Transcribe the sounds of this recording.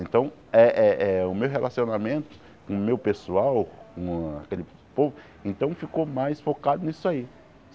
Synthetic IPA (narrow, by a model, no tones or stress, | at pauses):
ẽnt̪ɐ̃w̃ɛʔɛɛʊmewɦelʔasionamẽnt̪ʊ̥ | kõmewpesuawkõa̰kelɪ | povʊ | ẽnt̪ɐ̃w̃fikomajsfokad̪ʊnisʊai